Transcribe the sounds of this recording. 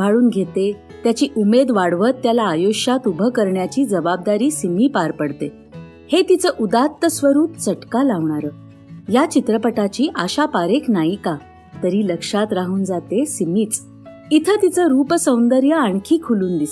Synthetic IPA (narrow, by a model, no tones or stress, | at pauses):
bʱaɭuːnɡʱet̪e | t̪jat͡ɕiːʔumed̪ʋaɽʋət̪ːjalaːjoɕat̪ubʱəkəɾɳjat͡ɕiːd͡zəbab̚d̪aɾiːsimiːpaɾpəɽt̪e | het̪it͡səːʔud̪at̪ːəsʋəɾuːpt͡səʈkalaʋɳaɾəː | jat͡ɕit̪ɾəpəʈat͡ɕiːʔaɕapaɾeknaiːka | t̪əɾiːləkʂat̪ɾaɦuːnd͡zat̪esimiːt͡s | it̪ʰət̪it͡səɾuːpsə̃wnd̪əɾjəaɳkʰiːkʰuluːnd̪is